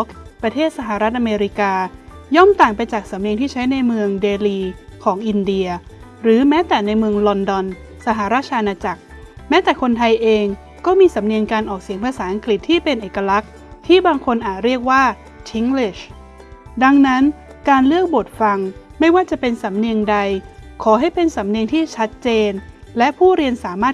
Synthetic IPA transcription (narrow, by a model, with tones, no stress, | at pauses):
kpɾa˧t̪ʰeː˥˩t̪̚sa˧ɦa˨˩ɾa˦˥t̪̚ʔa˧meː˧ɾi˦˥kaː˧ | jɔ˥˩mt̪aː˨˩ŋpa˧jt͡ɕaː˨˩k̚sa˩˦mni˧ŋt̪ʰiː˥˩t͡ɕʰa˦˥jna˧jmɯ˧əŋdeː˧liː˧kʰɔː˩˦ŋʔi˧ndi˧ɐ | ɾɯː˩˦mɛː˦˥t̪ɛː˨˩na˧jmɯ˧əŋlɔ˧ndɔ˧n | sa˧ɦa˨˩ɾaː˥˩t̪̚ʰa˧ʔa˧naː˧t͡ɕa˨˩k̚ | mɛː˦˥t̪ɛː˨˩kʰo˧nt̪ʰa˧jʔeː˧ŋ | kɔː˥˩miː˧sa˩˦mni˧ənkaː˧nʔɔː˨˩k̚si˨˩˦ŋpʰaː˧saː˩˦ʔa˧ŋkli˨˩t̪ʰːiː˥˩pe˧nʔeː˨˩ka˧la˦˥k̚ | t̪ʰiː˥˩baː˧ŋkʰo˧nʔaː˨˩t̪̚ɾi˥˩ək̚waː˥˩ | t͡ɕʰi˦˥ŋli˦˩ɕ | da˧ŋna˦˥n | kaː˧nlɯ˥˩ək̚bo˨˩t̪̚fa˧ŋ | ma˥˩jwaː˥˩t͡ɕa˨˩pe˧nsa˩˦mni˧əŋda˧jkʰɔː˩˦ɦa˥˩jpe˧nsa˩˦mni˧əŋt̪ʰiː˥˩t͡ɕʰa˦˥t̪̚t͡ɕeː˧nlɛ˦˥ʔpʰuː˥˩ɾi˧ənsaː˩˦maː˥˩t̪̚